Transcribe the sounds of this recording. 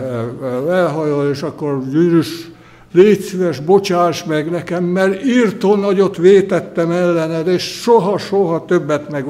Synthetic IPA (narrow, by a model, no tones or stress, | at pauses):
ɛlɦɒjoleːʃɒkːorjyːɾyʃ | leːt̪syʋɛʒbot͡ʃaːʃmɛɡnɛkɛmːɛrirt̪onɒɟot̪ʋeːt̪ɛt̪ːɛmɛlːɛnɛd̪eːʃʃoɦɒʃoɦɒt̪øbːɛt̪mɛɡ